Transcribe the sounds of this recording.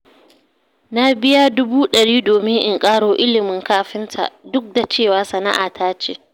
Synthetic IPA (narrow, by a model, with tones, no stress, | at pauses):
na˦bɪ˦ja˦dʊ˦buː˦ɗɐ˨ɽiː˦doː˨mɪ˦ŋʔɪ˦˨ŋkʼaː˦ɽoː˨ʔɪ˦lɪ˨mɪ˨ŋkaː˦ɸɪ˦ntʰa̰˨dʊ˦k̚da˨t͡ʃeː˦˨waː˨˦sɐ˨na̰˦ʔa̰ː˨tʰaː˦t͡ʃḛː˦